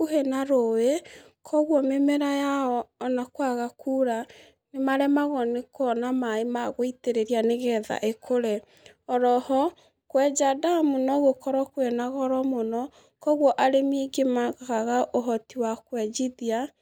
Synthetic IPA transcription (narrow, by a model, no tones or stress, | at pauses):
ohenaɾowe | kʰɔɣwɔmemɛɾajaɔːnakwaɣakʰuːɾa | nemaɾɛmaɣɔnekɔnamaemaɣoiteɾeɾianeɣɛða̰ʔekʰoɾɛ | ɔɾɔhɔ | kwɛd͡ʒadamunɔɣokʰɔɾɔkwenaɣɔɾɔmonɔ | kɔɣwɔʔaɾemeɡemaɣɣaɣaʔoɦɔtiwakwɛd͡ʒiðia